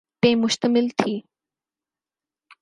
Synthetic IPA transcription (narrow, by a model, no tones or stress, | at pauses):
t̪ẽmʊʃt̪əmɪlt̪ʰiː